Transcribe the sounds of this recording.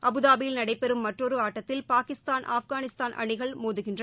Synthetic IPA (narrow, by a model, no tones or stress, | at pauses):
ʔɐbɯðaːbɪjɪlnɐɽɐɪpːɛɾɯmːɐʈrɔɾɯaːʈːɐt̪ːɪlpaːkɪst̪aːnʔa̰ːfɣaːnɪst̪aːnʔɐ̰ɳɪɣɐɭmoːðɯɣɪndrɐ